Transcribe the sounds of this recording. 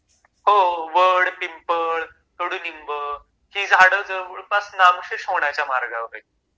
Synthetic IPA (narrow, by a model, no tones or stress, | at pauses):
ɦoʋəɽpimpəɭ | k̪əɽunimbə | hĩd͡zʱaɽəd͡zəʋəɭpasnamɕeɕoɳjat͡ɕamaɾɡaʋɾə